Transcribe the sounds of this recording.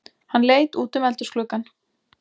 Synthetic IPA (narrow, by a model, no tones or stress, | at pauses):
hanːleːjt̪uːt̪ʏmɛlt̪ʏɾsklʏkan